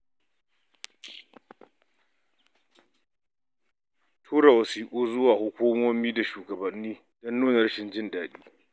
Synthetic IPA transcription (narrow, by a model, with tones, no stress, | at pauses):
tʰuː˦ɾa˨wɐ˨siː˦kʷʼuː˦zʊ˦waː˨hʊ˦kʷuː˦mɔ˦miː˦da˨ʃuː˨ɡɐ˨bɐ˨nːiː˦ | dɔ˦nːuː˦na˨ɾɐ˦ʃɪ˨nd͡ʒɪ˦ndaː˨ɗiː˦